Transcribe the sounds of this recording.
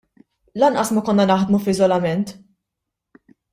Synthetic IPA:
lɐnʔɐsmɐkɔnːɐnɐħd̪mufɪzɔlɐmɛnt̪

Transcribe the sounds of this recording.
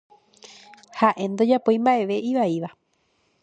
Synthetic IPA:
haʔẽ̞nd̪o̞d͡ʒapo̞j̃mbaʔe̞ʋe̞ʔiʋaiʋa

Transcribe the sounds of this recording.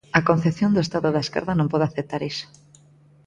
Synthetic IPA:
akonθeθjond̪oest̪aðʊoðaeskḛɾðanõmpoðaθep̚t̪aɾiso̥

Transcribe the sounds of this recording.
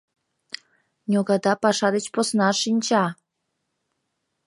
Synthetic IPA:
nʲoɡɑd̪ɑpɑʃɑd̪ət͡ɕposnɑʃinʲt͡ɕɑ

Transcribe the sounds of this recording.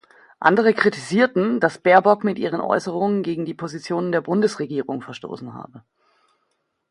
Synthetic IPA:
ʔa̰ndəʁ̞əkʁ̥itiziːɐtn̩d̥asb̥ɛɐbɔkmɪtʔiːʁ̞ənʔɔ̰ʏsəʁ̞ʊŋənɡeːɡŋ̩diːpʰozit͡sjoːnəndeːɐbʊndəsʁeɡiːʁʊŋfɛɐʃto̰ːsn̩ha̰ːbə

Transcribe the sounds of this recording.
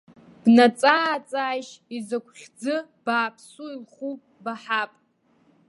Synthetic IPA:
b̥nat͡sʼaat͡sʼaːjʃizakʷʰχʲd͡zɨ | b̥aːpʰsuilχupʼbaħapʼ

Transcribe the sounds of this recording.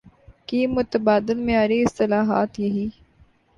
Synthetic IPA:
kiːmʊt̪əbaːd̪ɪlmẽaːɾiɪst̪ɪlaːɦaːt̪jɐɦiː

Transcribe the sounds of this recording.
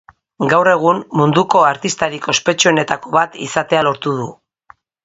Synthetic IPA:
ɡawre̞ɣ̞umːund̪uko̞aɾt̪ist̪aɾiko̞spe̞t͡ʃue̞ne̞t̪ako̞βat̪ḭsat̪e̞alo̞ɾt̪uðu

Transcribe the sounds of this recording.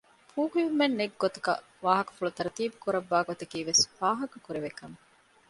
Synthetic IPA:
pʰuːkujumenːeɡːot̪ɐ̥kɐ̰ | ʋaːɦɐkɐ̥fuɭut̪ɐɾɐt̪iːbukuɾɐbːaːɡot̪ɐkiːʋesfaːɦɐkɐkuɾeʋekɐme

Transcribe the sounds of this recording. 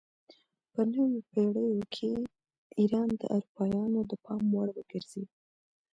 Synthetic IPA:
pənəwopeɽəjokʰe | iɾɑnd̪ə̰ʔaɾupɑjɑnod̪əpɑmwaɽwəɡ̥əɾz̥i

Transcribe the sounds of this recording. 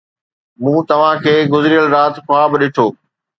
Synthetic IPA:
mũːt̪ɐʋ̤ãkʰeːɡʊzɾiəlɾaːt̪xʊaːbɗɪʈʰoː

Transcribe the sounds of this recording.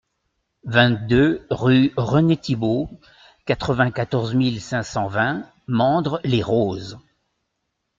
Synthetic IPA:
vɛ̃t̪̚d̪øʁyʁənet̪ibo | kat̪χəvɛ̃kat̪ɔʁzmilsɛ̃sɑ̃vɛ̃ | mɑ̃d̪ʁleʁoːz

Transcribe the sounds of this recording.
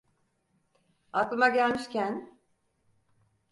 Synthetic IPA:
at̪lˠɯmaɟælʲmiʃcʰæn

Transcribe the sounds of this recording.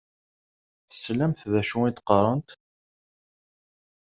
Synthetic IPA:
θə̥slæmθðæʃuit̪qɑɾˤɑnt̪

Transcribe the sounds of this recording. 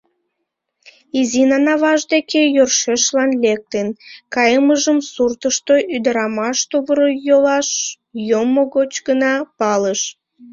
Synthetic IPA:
izinɑnɑβɑʒd̪ekejørʃeʃlɑnlek̚t̪enkɑjəməʒəmsurt̪əʃt̪oʔyd̪əɾɑmɑʃt̪oβəɾojolɑʃ | jomoɣot͡ɕɡənɑpɑləʃ

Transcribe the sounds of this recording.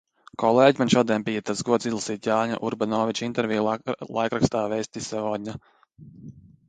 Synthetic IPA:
kɔlˠeːɟʲmanʃɔːd̪ʲiɛnbijat̪at̪sɡuɔd̪sizlˠasiːt̪jaːɲa̰ʔuɾbanɔːvit͡ʃint̪ɛɾvʲijlˠajkɾakst̪aːvɛjst̪isɛvɔːd̪̚ʲɲʲa

